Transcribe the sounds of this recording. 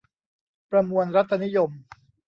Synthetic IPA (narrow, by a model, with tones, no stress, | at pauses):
pɾa˧mu˧ənɾa˦˥t̪ʰːa˧ni˦˥jo˧m